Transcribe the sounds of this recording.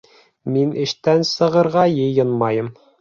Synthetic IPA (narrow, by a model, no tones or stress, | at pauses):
minɘ̆ʃt̪ænsɤ̆ʁɤ̆ɾʁɑjɤ̆jɤnmɑjɤm